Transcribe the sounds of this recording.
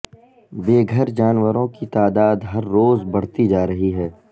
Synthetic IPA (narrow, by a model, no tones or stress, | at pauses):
beːɡʱəɾd͡ʒaːnʋəɾõkit̪aːd̪aːd̪ɦɐɾːoːzbɐɽ̤t̪id͡ʒaːɾɐɦiɦɛː